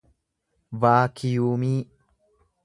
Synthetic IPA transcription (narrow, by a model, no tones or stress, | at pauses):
vaːkʰɪjuːmiː